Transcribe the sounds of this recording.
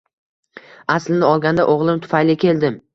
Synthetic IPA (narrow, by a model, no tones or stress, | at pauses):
aslɪnɪɒlˠɡʲand̪a̰ʔoʁlˠɪmt̪ʰʊ̥fajlɪkʲʰe̞ld̪ɪm